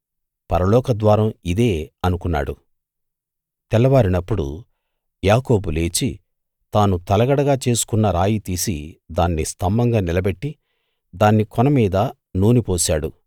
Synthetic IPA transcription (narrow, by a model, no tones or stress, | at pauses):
pɐɾɐlɔːkɐd̪ʋaːɾɐmid̪eːɐnukunːa̰ːɽu | t̪ɛlːɐʋaːɾinɐpːuɽṵ | jaːkoːbule̞ːt͡ʃi | t̪aːnut̪ɐlɐɡɐɽɐɡaːt͡ʃe̞ːsu̥kunːɐɾaːjit̪iːsid̪aːnːist̪ʰɐmːɐŋɡaːnilɐbe̞ʈːi | d̪aːnːikɔnɐmiːd̪ɐ | nuːnipoːʃaːɽu